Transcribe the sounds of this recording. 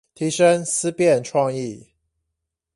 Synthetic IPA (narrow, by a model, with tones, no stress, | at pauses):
t̪ʰi˨˦ʂə˦ŋs̩˦pjɛ˥˨nʈ͡ʂʰwɑ˥˧ŋi˥˨